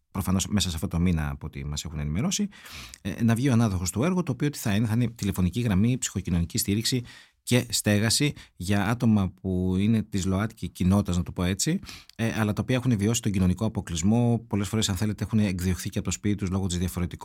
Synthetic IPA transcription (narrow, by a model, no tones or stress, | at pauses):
pɾo̞fɐno̞sme̞sɐseɐft̪o̞t̪o̞minɐ̰ːpoot̪ḭmɐse̞xune̞nime̞ɾo̞sḭ | nɐvʝioɐnɐðo̞xo̞st̪oe̞ɾɣot̪oːpioot̪i̥θɐineθɐinet̪ile̞fo̞niciɣɾɐmipsi̥xo̞cino̞nicist̪iɾiksi | ce̞st̪e̞ɣɐsiʝɐɐt̪o̞mɐp̚uine̞t̪izlo̞ɐt̪i̥cicino̞t̪t̪ɐznɐt̪upo̞e̞t͡siʔɐlɐt̪ɐopiɐe̞xune̞vio̞si̥t̪o̞ɲɟino̞niko̞ɐpo̞klizmo̞po̞le̞sfo̞ɾesɐnθe̞leeexuneːkðio̞xθiceɐpot̪ospit̪it̪uzlo̞ɣo̞t̪izðjɐfo̞ɾe̞t̪ik